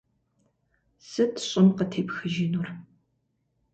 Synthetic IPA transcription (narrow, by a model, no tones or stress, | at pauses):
sɨtʰɕʼɪmqətʰeːpxɨʒinur